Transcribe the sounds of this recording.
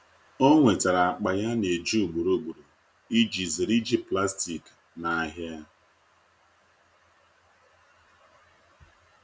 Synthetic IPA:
o˦ŋʷe˨ta˨ɾa˨a˨k͡pa˨ja˦ne˨d͡ʒu˦˨ɡ͡bu˨ɾo˨ɡ͡bu˨ɾu˨ | i˦d͡ʒi˨zi˨ɾi˦d͡ʒi˨pla˦sti˨k | na˨a˨ɦa˦a˦

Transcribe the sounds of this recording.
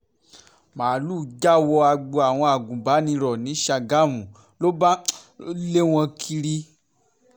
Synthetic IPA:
maː˨luː˦˨d͡ʒa˦wɔ˧a˧ɡ͡bo˧a˨w̃ɔ̃˧a˨ɡũ˨ba˨˦nĩ˧ɾɔ˨nĩ˨˦ʃa˧ɡa˦˨mũ˨ | lo˦ba˦ | le˦w̃ɔ̃˧kʰi˧ɾi˦

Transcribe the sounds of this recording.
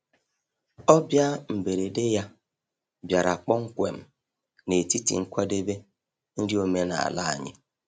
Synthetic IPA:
ɔ˦bja˦m̩˨be˨ɾe˨de˦ja˦ | bja˨ɾa˨k͡pɔ˦ŋ̩˦kʷḛ˨m̩˨ | ne˨ti˦tḭ˨ŋ̩˦kʷa˦de˦be˦ | n̩˦dɪ˦o˦me˦na̰˨a̰˨la˦a̰˨ɲɪ̰˦

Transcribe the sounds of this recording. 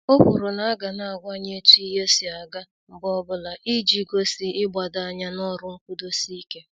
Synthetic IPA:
o˦kʷṵ˨ɾʊ˨na˦a˦ɡa˨na˨a˨ɡʷa˦ɲe˦ti˦ɦe˦si˨a˨ɡa˦ | m̩˨bɔ˦bʊ˦la˨ʔi˦d͡ʒi˦ɡo˦si˨ɪ˦ɡ͡ba˨da˨a˦ɲa˦nɔ˦ɾʊ˦ŋ̩˦kʷu˦do˦si˦ke˦

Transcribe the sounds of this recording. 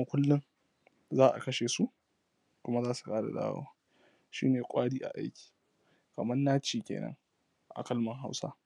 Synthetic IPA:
a˦kʷʊ˦lːʊ˦ŋ | zaː˦ʔa̰˨kɐ˦ʃeː˨su˦ʔ | kʷʊ˦ma˦zaː˦su̥˨kaː˦da̰˨da̰ː˦wo̰ː˦ | ʃḭː˦neː˨kʷʼaː˦diː˦ʔa̰˨ʔa˦jkʲi̥ː˨ | kɐ˨mɐ˦nːaː˦t͡ʃiː˨kʲḛː˨nɐ̰˦ŋ | ʔa̰˨kɐ˦lmɐ˨ŋɦa˦wsa̰˦

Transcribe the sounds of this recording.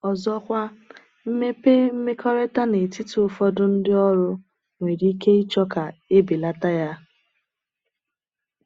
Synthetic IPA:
ɔ˨zɔ˦kʷa˦ | m̩˦me˦pe˦m̩˦me˦kɔ˦ɾe˦ta˦ne˨ti˦tu˨˦ʊ˦fɔ˦dʊ˦n̩˦dɪ˦ɔ˦ɾʊ˦ | ŋʷe˨ɾi˨˦i˦ke˦i˦t͡ʃɔ˦ka˨e˦bi˨la˦ta˦ja˦

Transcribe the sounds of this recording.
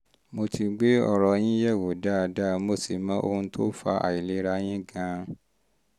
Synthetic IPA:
mo˧tʰi˧ɡ͡be˦ɔ˦˨ɾɔ˧j̃ĩ˦jɛ˦˨wo˨da˦˨da˦˨mo˦˨se˨mã˦o̰˧hũ˧˦tʰo˦fa˧a̰˨i˨le˨˧˦ɾa˧˦j̃ĩ˦ɡã˧˦

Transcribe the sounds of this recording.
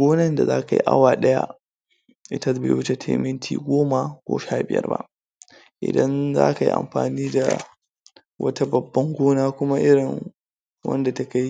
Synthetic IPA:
ɡʷoː˦nɐ˦nda˨za̰ː˦ka˨jḭ˦ʔa̰˦waː˨ɗɐ˦ja̰˦ | ʔɪ˦tɐ˦bḛː˨jwʊ˦t͡ʃe˨tʰḛː˦mɪ˦ntʰḭː˨ɡʷoː˦ma˨kʷo̰ː˦ʃaː˦bɪ̰˨jɐ̰˦rba̰˦ʔ | ʔɪ̰˨dɐ˦nza̰ː˦ka˨jḭ˦ʔa̰˨mɸa̰ː˨niː˦da̰˨ | wʔɐ̰˦ta˦bɐ˨bːɐ˦ŋɡʷoː˦naː˦kʷʊ˦ma˦ʔɪ˦ɽɪ˨ŋ | wɐ̰˦nda˨ta˦ka˦j

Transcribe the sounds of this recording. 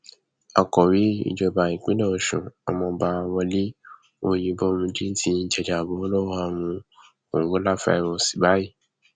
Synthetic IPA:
a˨kɔ˨wi˦ḭ˦˨d͡ʒɔ˧ba˨ĩ˨k͡pĩ˨˦lɔ̃˦o˧˨ʃṵ̃˨ɔ˨mɔ̃˧ba˦˧wɔ̃˧li˦ | o˧jĩ˧bɔ˦˧mũ˧d͡ʒi˦n̩˦tʰi˦d͡ʒɛ˨d͡ʒa˨bõ˨˦o˦lɔ˦wɔ˦a˧mũ˧ | o˨ŋ˨ɡo˨˦la˦˨fa̰˧˨ɛ˨wɔ̃˧˦si̥˨ba˨˦ji˦˨

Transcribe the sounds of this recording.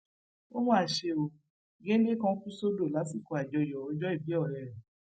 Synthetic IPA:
o˦hɔ̃˦a˨ʃe˧o˧ | ɡẽ˦n˦de˦kã˧˦ku˦so˦do˦˨la˨˦si˦˨kɔ˨˧a˨d͡ʒɔ˧jɔ˨ɔ˨˧d͡ʒɔ˦i˦˨bi˨˦ɔ˦˨ɾɛ˨ɾɛ˨

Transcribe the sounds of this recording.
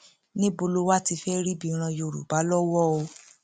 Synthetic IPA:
nĩ˦bo˧lo˦wa˦ti˧fɛ˦ɾi˦bi˦˧˨ɾ̃ã˧jo˧˨ɾṵ˨ba˨˦lɔ˦wɔ˦o˧

